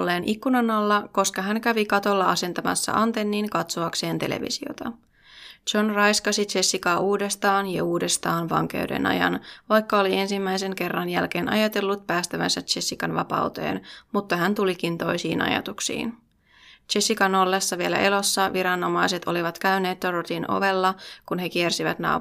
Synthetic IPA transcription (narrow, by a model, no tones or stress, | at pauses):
lːeːnʔikːunɑnɑlːɑko̞skɑɦæŋkæʋikɑt̪o̞lːɑɑse̞nt̪ɑmɑ̰sːɑ̰ʔɑnt̪enːiːŋkɑt̪soɑkse̞ːnt̪e̞̰lḛʋḭsio̰t̪ɑ | t͡ʃo̞nrɑjskɑsit͡ʃe̞sːikɑːʔuːde̞st̪ɑːnjɑuːde̞st̪ɑːnʋɑ̰ŋk̟ḛwdḛnɑ̰jɑ̰nʋɑjkːɑolie̞nsimːæjse̞ŋke̞rːɑnjælk̟e̞ːnʔɑ̰jɑt̪e̞lːut̪̚pæːst̪æʋænsæt͡ʃe̞sːikɑnʋɑ̰pɑ̰wt̪e̞̰ːnmut̪ːɑɦænt̪ulikint̪o̞jsḭːnɑ̰jɑ̰t̪uksḭːn | t͡ʃe̞sːikɑno̞lːesːɑʋielæ̰ʔelo̞sːɑʋiɾɑnːo̞mɑjse̞t̪ʰoliʋɑt̪kæyne̞ːt̪ːoɾot̪inʔo̞̰ʋe̞lːɑkunɦe̞kiersiʋæ̰t̪nɑ̰